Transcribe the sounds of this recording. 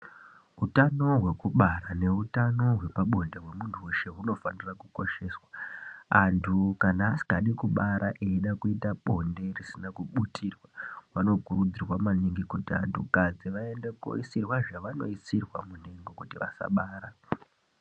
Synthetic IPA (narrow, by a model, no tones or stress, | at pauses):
utano̞ɦwe̞kuɓaɾane̞utano̞ɦwe̞paɓo̞ndeɦwe̞muntʰuwe̞ʃe̞ɦuno̞fanirakuko̞ʃe̞ːswaantʰukanaːsi̥kaɗikuɓaɾʔaʔeiɗakuitaɓo̞nde̞risinakuɓutʰirwaʋano̞kuɾud͡zirwamaliŋɡikutia̰ntʰṵkad͡ziʋae̞ndeko̰isirwaʐaʋano̞̰isirwa̰mun̤eŋɡo̞kutiʋa̰sa̰ɓaːɾa